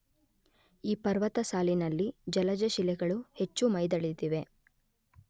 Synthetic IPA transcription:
iːpɐɾʋɐt̪ɐsaːlinɐlːid͡ʒɐlɐd͡ʒɐʃilɛɡɐɭuhe̞t͡ʃːumɐjd̪ɐɭid̪iʋe̞

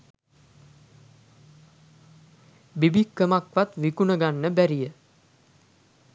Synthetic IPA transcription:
bibikːəmakʋat̪ʋikunəɡanːəbæɾijə

